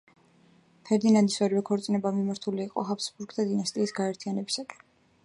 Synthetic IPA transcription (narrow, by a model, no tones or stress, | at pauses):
pʰɛɾd̪inand̪isvɛɾivɛkʰɔɾt̪sʼinɛbamimaɾt̪ʰuliːqʼɔ̰ɦapsbuɾɡd̪ʰad̪inast̪ʼiːsɡaɛɾt̪ʰijanɛbisakʼɛ̥